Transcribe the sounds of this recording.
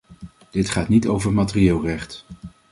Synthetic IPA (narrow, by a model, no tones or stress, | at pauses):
d̥ɪtχaːtnitowvəɹmatɪrieːlˠrɛχt